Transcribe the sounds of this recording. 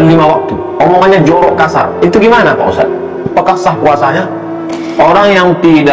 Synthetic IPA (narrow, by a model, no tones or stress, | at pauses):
limawak̚t̪u | omɔŋaɲad͡ʒɔɾɔʔkasa̰rit̪uɡimanapa̰ṵsa̰t̪ | pakahsahkuasaɲa | oɾaŋjaŋt̪ida